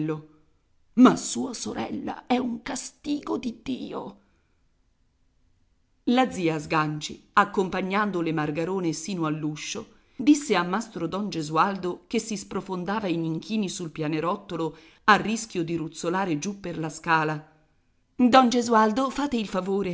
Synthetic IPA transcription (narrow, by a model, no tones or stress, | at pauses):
o | masuːasoɾɛ̰lːa̰ɛuŋkast̪iːɡod̪id̪iːo̰ | lad̪ziːazɡant͡ʃḭakːompaɲːand̪olemarɡaɾoːnesiːnoalːuʃːo | d̪isːeamːast̪ɾod̪ɔnd͡ʒezuald̪okesːispɾofond̪aːvainiŋkʰiːnisulpjaːneɾɔt̪ːolo | arːiskʲjod̪iɾut̪sːolaːɾed͡ʒupːerlaskaːla | d̪ɔnd͡ʒezuald̪ofaːt̪eilfavoːɾe